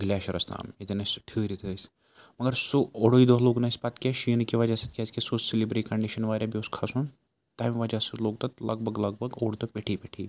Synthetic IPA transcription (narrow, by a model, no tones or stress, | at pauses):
ɡlʲaːʃɐɾɐst̪a̰ːmit̪enɐsʲʈʰɨːɾʲit̪ʰəs | mɐɡɐɾsooɽoid̪oɦloːɡnɐsʲpat̪kʲaʃiːnkʲiʋad͡ʒaːsɐt̪̚kʲaːzkʲisoselibɾʈikɐɳɖiʃɐnʋaːɾʲjabjoːskʰasun | t̪amʋad͡ʒasɐt̪loːkt̪ɐt̪lɐɡbʱɐɡlɐɡ̚bʱɐɡoːɽt̪ɐpʲeʈʰiːpʲeʈʰiː